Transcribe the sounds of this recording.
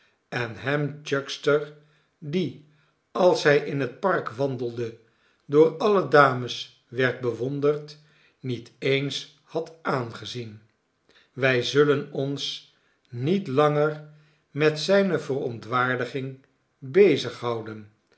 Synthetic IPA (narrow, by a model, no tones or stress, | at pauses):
ɛnɦɛmd͡ʒœkstəɹ | di | ɑlˠsɦɛjʔɪnɦət̚pɑrkʋɑndəlˠdə | dʊːɹɑlədaːməs | ʋɛɹt̚bəʋɔndərt | nitejns | hɑtaːnχəzin | ʋɛjzɵlənɔns | nitlɑŋər | mɛtsɛjnəvərɔntʋaːɹdəχɪŋ | bejzəχɦɑwdən